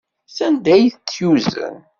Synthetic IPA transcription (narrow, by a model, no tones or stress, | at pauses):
sænd̪æjθət͡sːjuzə̰n